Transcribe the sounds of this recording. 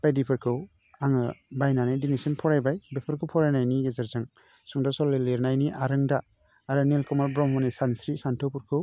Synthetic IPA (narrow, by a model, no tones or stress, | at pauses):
b̥ajdipʰɯɾkʰɯw | aŋɯbajnanadinesinpʰɔɾajbajbepʰɯɾkʰɯwpʰɔɾajnajniɡezaɾzaŋ | suŋdasɔleleɾnajniʔaɾɯŋdaː | ɾɯnelkʰɔmalbɾɔmhɔnisansɾisantʰɔwpuɾkʰɯw